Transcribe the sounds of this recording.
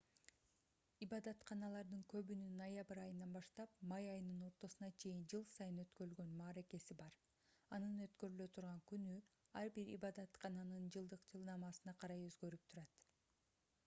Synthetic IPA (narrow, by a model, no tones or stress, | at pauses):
ibɑd̪ɑt̪qʰɑnɑlˠɑɾd̪ɯŋkø̞βynynɐjabɾɑjɯnɑnbɑʃt̪ɑpmɑjɑjɯnɯno̞ɾt̪o̞sunɑt͡ʃʰe̞jind͡ʒɯlˠsɑjɯnøt̪køɾylɡø̞nmɑːɾe̞ke̞sibɑɾ | ɑnɯnø̞t̪kø̞ɾylø̞t̪ʰuɾʁɑŋkynyɑɾbiɾḭbɑd̪ɑt̪qʰɑnɑnɯnd͡ʒɯlˠd̪ɯqd͡ʒʰɯlˠnɑmɑsɯnɑqʰɑɾɑjøzɡø̞ɾyp̚t̪ʰuɾɑt̪